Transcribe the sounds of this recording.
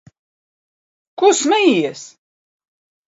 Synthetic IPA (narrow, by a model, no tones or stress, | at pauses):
kusmæjijæs